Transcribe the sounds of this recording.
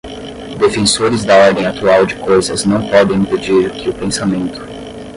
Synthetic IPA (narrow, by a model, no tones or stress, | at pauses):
d̪efẽsoɾɪzd̪ɐɔɾd̪ẽj̃at̪uawd͡ʒɪkojzɐznɐ̃w̃pɔd̪ẽj̃ĩped͡ʒiɾkʰɪʊpẽsamẽnt̪ʊ̥